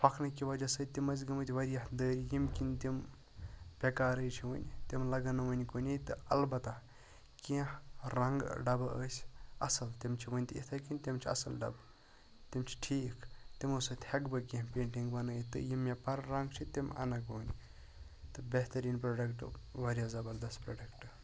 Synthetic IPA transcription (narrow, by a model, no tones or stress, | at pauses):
pʰɐkʰnɐkiʋɐd͡ʒɐsɐːt̪imɐz̬ɡɐmɨt̪ʲʋɐɾijɐhd̪əːɾijimkint̪im | pʲekaːɾəjt͡ʃʰiʋɨnʲt̪imlɐɡɐnɐʋɐnʲkoːnʲijt̪ɨɐlbɐt̪a | kĩɾɐŋɡɖɐbə̰ːsʲɐ̰sɐlt̪imt͡ʃʰiʋɐnʲt̪it̪ʰakinʲt̪imt͡ʃʰiɐ̰sɐlɖɐ̰b | t̪imt͡ʃʰi̥ʈʰiːkt̪imusɐt̪ʲhɐkbɐkẽpeːɳʈiŋɡbɐnəːjit̪ɨ̰jimːepɐɾɾɐŋɡt͡ʃʰit̪imɐ̰nɐkoːnʲi | t̪ɨbʲeɦt̪ɐɾiːnpɾoɖɐkʈʋɐɾijazɐbɐɾd̪ɐspɾoːɖɐkʈ